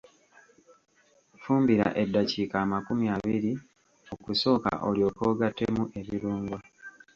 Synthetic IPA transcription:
fuːmbiɾa̰ʔe̞dːacikaːmakumjaβiɾi | o̞kuso̞ːka̰ʔo̞̰ljo̞ːkoːɡatːe̞muʔe̞βiɾuːŋɡwa

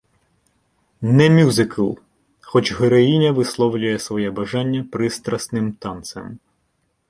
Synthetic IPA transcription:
nɛmʲuzɪkʰɐlˠ | xɔt͡ʃɦeɾɔjinʲɐʋɪslˠɔwlʲʊjɛsʋɔjɛbɐʒɑnʲːɐpɾɪst̪ɾɐsnɪmt̪ɑnt̪sɐ̰m

